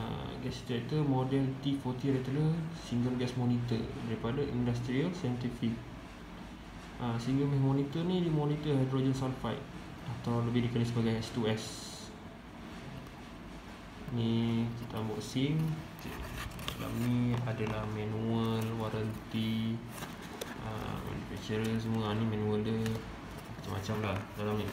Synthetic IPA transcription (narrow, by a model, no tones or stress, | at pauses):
ə̰ | ɡɛst̪ɛt̪əmodɛlt̪ifɔt̪iaɾit̪ələsiŋɡəmɡɛsmɔnit̪ədaɾipadaʔḭndast̪ɾialsaɛnt̪ifik̚ | əsəĩŋɡamɛmɔnit̪ənĩdimonit̪əɦajdɾod͡ʒənsawnfajt̪̚ | at̪awləbɪhdikanisəbaɡajɛst̪uɛs | nikit̪ambɔʔsiŋ̰ | la̰ʔ̚niadalahmɛnuəlwaɾənt̪i | ə̰ma̰nufɛ̰k̚t͡ʃəɾəns̬əmũaːnimɛ̃nuəldə | aat͡ʃamːat͡ʃamlahdalaŋni